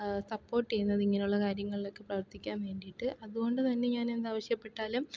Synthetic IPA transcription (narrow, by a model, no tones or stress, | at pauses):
sɐpːo̞ːrʈːejunːɐðiŋːɐneuɭːɐkaːɾjɐŋːɐɭilo̞kːɨprɐʋɐrt̪ikʲːaːnʋe̞ːɳɖijiʈːɨʔɐðuɣo̞ɳɖɨt̪ɐnːe̞ɲaːne̞nd̪aːʋɐɕjɐpːe̞ʈːaːlum